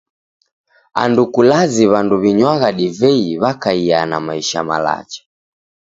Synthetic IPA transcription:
a̰ndukulaziβanduβiɲwaɣaɗivɛiβakaiana̰maiʃa̰ma̰la̰t͡ʃḁ

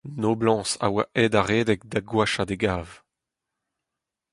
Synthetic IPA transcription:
noːblɑ̃ːsa̰waʔɛdaʁeːdɛkd̪aɡwaʃad̪eɡaːv

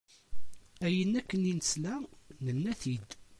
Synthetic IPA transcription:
æjənːækːəninəslænənːæθid̪

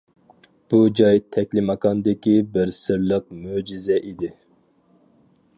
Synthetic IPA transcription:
b̥ud͡ʒɑjt̪ʰɛkʲlɪmɑkʰɑnd̪ɪkʲibɪɾsɨɾlˠəq̚mød͡ʒizɛʔid̪ɪ

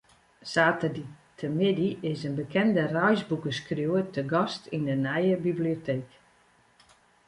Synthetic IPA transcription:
saːtəditʰəmɪdiɪsənbəkʰɛndərœjzbukəskrjuətəɡɔstindənɛjəbibliotʰeːk

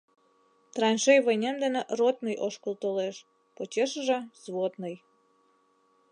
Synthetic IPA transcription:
t̪rɑnʲʃejβənʲemd̪ə̆neʔrot̪̚nəjʔoʃkəlˠt̪oleʃ | pot͡ɕeʃəʒĕzβot̪nəj

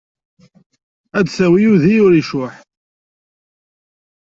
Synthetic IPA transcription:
æd̪θæwijuðijʊɾiʃʊħ

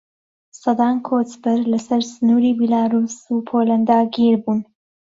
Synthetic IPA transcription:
sɑd̪ɑːnkʰoːt̪bɨɾlɐsɐɾsɨnuːɾiːbilaːɾuːsupʰoːlɐnd̪aːɡiɾbuːn

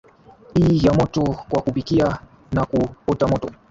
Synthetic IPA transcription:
hiːjamɔtɔkwakupikia | nakupɔtamɔtɔ

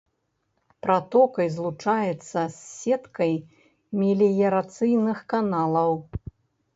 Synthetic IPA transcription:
pɾat̪ɔkɐjzlˠut͡ʂajɛt̪sːɐsːɛt̪kɐj | mʲilʲijɐɾat̪sɨjnɨxkanalˠɐw

